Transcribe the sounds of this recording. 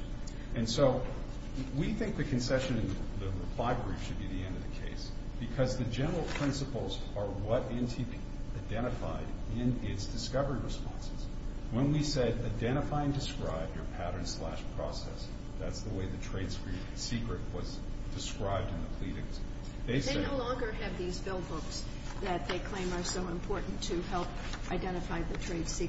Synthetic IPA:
ɨ̃nsoʊ | wiθɪ̃ŋk̚ðɨkʰɨ̃n̩sɛʃɨ̃nɨ̃nððɨfaɪvbɹifʃɨd̚biðiɛ̃ndʌvðɨkʰeɪsb̥ɨkʰʌzðɨd͡ʒɛnə˞l̩ˠpʰɹ̥ɪ̃nsəpl̩ˠzə˞wʌɾɪ̃ntʰi | aɪdɛ̃ɾ̃ɨfa̰ɪɾɪ̃nɪtsd̥ɨskʌvə˞iɹɨspɑ̰̃nsɨz̥ | wə̃nwisɛɾaɪdɛ̃ɾ̃ɨfaɪɨ̃ndɨskɹaɪbjə˞pʰæɾə̃˞nslæ̰ʃpʰɹ̥ɔ̰sɛ̰s | ðætsðəweɪðɨtʰɹ̥eɪd̥skɹʉp̚sikɹɨt̚wʌz | d̥ɨskɹaɪb̚dɨ̃nðəpʰl̥iɾɪ̰̃ŋz̥ | ðeɪseɪnoʊlɔ̃ŋɡə˞ɨvðizbɪlˠbʊks | ðɨt̪̚ðeɪkʰl̥ẽɪ̃mə˞soʊə̃mpʰɔɹʔn̩tʰɨɦɛlˠp | aɪdɛ̃ɾ̃ɨfaɪðɨtʰɹ̥eɪd̥si

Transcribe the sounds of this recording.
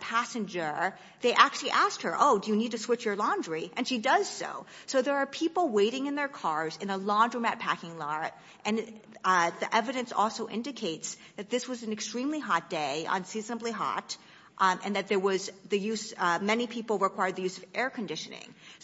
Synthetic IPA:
pʰæsɨ̃nd͡ʒə˞ | ðeɪʔæk̚t͡ʃʉl̩ˠiʔæst̚hə˞ʔoʊdɨjɨnid̚tɨswɪt͡ʃjə˞lɑ̃ndəɹiʔɨ̃nʃidʌz̥so̰ʊ | soʊðə˞ːpʰipl̩ˠweɪɾɪ̃ŋɨ̃nðə˞kʰɑɹzɨ̃nəlɑ̃ndɹəmæt̚pʰækɪ̃ŋlɑɹt | ʔɨ̃n | ðiʔɛvɨɾɨ̃nsɔ̰lˠsoʊʔɪ̰̃ndɨkʰeɪts | ðɨt̪̚ðɪswʌzn̩ɨkstɹ̥ĩmliɦɑt̚d̥eɪʔə̰̃nsiznəbliɦɑ̰ɾ | ʔɨ̰̃nðɨt̪̚ðə˞wʌzðɨjʉzmɛnipʰipl̩ˠɹəkʰw̥aɪə˞d̪̚ðɨjʉzʌvʔɛɹkʰɨ̃n̩dɪʃɨnɪ̰̃ŋ

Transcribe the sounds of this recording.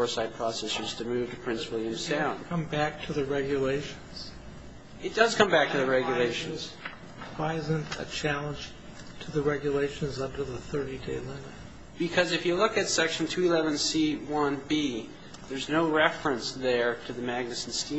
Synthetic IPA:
ɔɹsaɪd̚pʰɹ̥ɔsɛsə˞z̥tʰɨmʉv̥tʰɨpʰɹ̥ɪ̃nswɪlˠjɨ̃msãʊ̃nkʰʌ̃mbæk̚tʰɨðɨɹɛɡjɨleɪʃɨ̃n̩z̥ | ɨt̚d̥ʌz̥kʰʌ̃mbæk̚tʰɨðɨɹɛɡjɨleɪʃɨ̃nz̥ | waɪzɨ̃ntɨ̰t͡ʃʰælˠə̃nʒ̥ | tʰɨðɨɹɛɡjɨleɪʃɨ̃nzʌ̃ndə˞ðəθɜ˞ɾideɪlɪ̃nət̚ | b̥ɨkʰʌzɨfjɨlʊkɨtsɛkʃn̩tʰʉilɛvɨ̃nsiwʌ̃nbi | ðə˞znoʊɹɛfɹɨ̃nsðə˞ɾɨðɨmæɡ̚nɨsn̩stĩ

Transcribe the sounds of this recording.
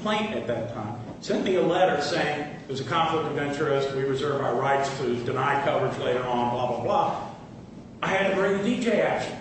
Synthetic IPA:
pʰl̥ẽɪ̃ntɨt̪̚ðɨtʰã̰ɪ̃m | sɛ̃nmiəlɛɾə˞seɪɪ̃ŋ | ðəzɨkʰɑ̃nɱflək̚tɨvvɛ̃nt͡ʃə˞ɪst̚wiɹɨzɜ˞vaʊə˞ɹaɪtstʰɨdɨnaɪd̚kʰʌvə˞d͡ʒleɪɾə˞ə̃nblɑbəblɑ | aɪɨd̚tɨbɹɪ̃ŋðɨdid͡ʒeɪækʃn

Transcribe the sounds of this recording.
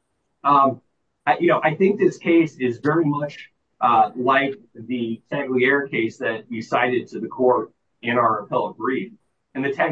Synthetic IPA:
ʌ̃m | ajʔɨnoʊʔaɪθɪ̃ŋk̚ðɪskʰeɪsɪzvɛɹimʌt͡ʃ | ʔʌlaɪk̚ | ðɨtʰæɡliɛɹkʰeɪsðɨt͡ʃɨsaɪɾɨd̚tʰɨðɨkʰɔɹɾ | ɪ̃ñaʊə˞əpʰɛlˠəɡ̥ɹif | ɨ̃nðɨtʰæ

